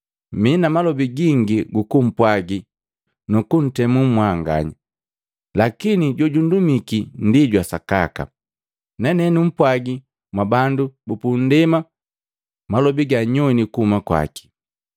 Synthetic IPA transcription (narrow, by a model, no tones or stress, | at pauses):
minamalɔbiɡiŋɡiɡukum̩pwaɡi | nukun̩tɛmummwaŋɡa̰ɲa | lakiniɟɔɟundumikindiɟwasaka̰ka̰ | nɛnɛnum̩pwaɡi | mwabandubupun̩dɛma | malɔbiɡaɲɔnikuhumakwa̰ki̥